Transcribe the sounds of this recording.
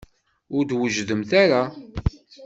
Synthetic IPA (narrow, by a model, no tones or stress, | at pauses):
ʊɾd̪wəʒðəmθaɾa